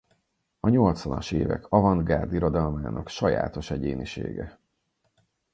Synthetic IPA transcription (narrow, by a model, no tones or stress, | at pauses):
ɒɲo̞lt̪sʋɒnɒʃeːvɛ̰kʰɒvɒnd̪ɡaːrd̪iɾo̞d̪ɒlmaːnʔɒkʃɒja̰ːt̪o̞ʃɛɟeːniʃḛːɡɛ